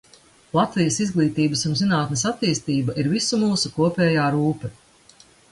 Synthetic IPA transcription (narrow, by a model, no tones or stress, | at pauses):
lˠat̪vijɐsizɡlˠiːt̪iːbɐsunzinaːt̪nesat̪ːiːst̪iːbɐʔiɾvisumuːsukuɔpʲɛːjaːɾuːpɛ